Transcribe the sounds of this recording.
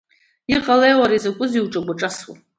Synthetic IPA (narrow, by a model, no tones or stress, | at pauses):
iqʼalejwaɾazakʷʼʊziwʈ͡ʂʼaɡʷaʈ͡ʂʼaswa̰